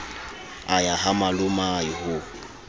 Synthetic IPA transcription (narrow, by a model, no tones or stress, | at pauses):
ajaɦamalʊmaihʊ